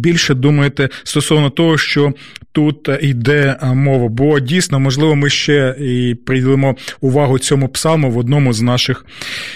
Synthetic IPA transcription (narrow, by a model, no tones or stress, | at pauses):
bʲilʲʃɛd̪umɐjet̪ɛst̪ɔsɔʋnɔt̪ɔɦɔʃt͡ʃɔt̪ut̪id̪ɛmɔʋɐbɔdʲijsʲnɔmɔʒlˠɪʋɔmɪʃt͡ʃɛipɾɪilˠɪmɔʊʋɑɦʊt͡sʲɔmʊpsɑlˠmʊʋɔd̪nɔmʊznɑʃɪx